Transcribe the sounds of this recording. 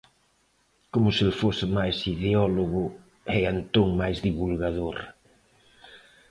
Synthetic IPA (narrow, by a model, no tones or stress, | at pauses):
komʊselfosɪmajsiðeɔloɣʊ | ɛant̪oŋmajzðiβulɣaðoɾ